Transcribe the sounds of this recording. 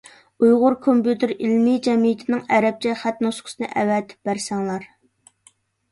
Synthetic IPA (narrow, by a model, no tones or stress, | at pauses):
ujʁʊɾkʰompjut̪ʰɪɾilmid͡ʒɛmijɪt̪ʰɪnɪŋɛɾɛp̚t͡ʃʰɛχæt̪nusqʰʊ̥sɨnɨʔɛ̰wɛt̪ʰɪ̥p̚bæɾsɛŋlˠɑɾ